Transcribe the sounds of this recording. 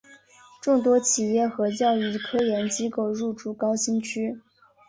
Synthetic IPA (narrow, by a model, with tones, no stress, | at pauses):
ʈ͡ʂʊ˥˩ŋt̪wɔ˥t͡ɕʰi˨˩jɛ˥˩xɤ˧˥t͡ɕjɑ˥˩ʊy˧˩kʰɤ˥jɛ˧˥nt͡ɕi˥ko˥˩ʊɻu˥˩ʈ͡ʂu˥˩kɑ˥ʊɕi˥nt͡ɕʰy˥